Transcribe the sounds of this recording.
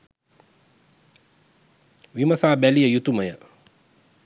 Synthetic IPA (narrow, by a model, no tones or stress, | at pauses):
ʋimɐsaːbɛlijəjut̪umɐjə